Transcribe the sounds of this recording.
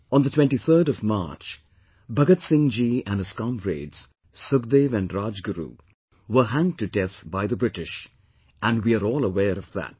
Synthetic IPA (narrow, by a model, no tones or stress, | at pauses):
ə̃nd̪ətʰwɛ̃nʈiθʰə˞ɾɔvmɑ̰ɹt͡ʃ | bʌɡətsɪ̃ŋd͡ʒiæ̃nəskɑ̃mɾḛɪdz̥ | sʊɡd̪eːvæ̃nɾaːd͡ʒɡəɾṵ | wə˞ɦæ̃ŋtɨdɛθbaɪðəbɾɪɾɪʃ | ʔæ̃nɖwiaɾɔːlˠəwɛːɾʌvðæ̰t̚